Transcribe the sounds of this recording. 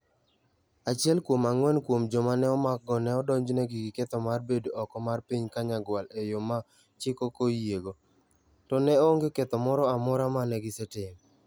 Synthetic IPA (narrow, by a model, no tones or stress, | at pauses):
at͡ʃɪɛlkwomaŋwɛnkwomd͡ʒɔmanɛɔmak̚ɡɔnɛɔdɔɲd͡ʒnɛɡiɡɪket̪ɔmarbedoɔkɔmarpiɲkaɲaɡwalejoma | t͡ʃɪkokojjeɡo | tɔnɛoŋɡeket̪ɔmɔɾɔamɔɾamanɛɡɪsɛtɪm